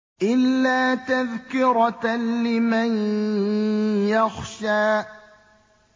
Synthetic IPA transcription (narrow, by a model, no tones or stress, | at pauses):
ʔɪlːaːt̪aðkɪɾɑlɪman | jaxʃaː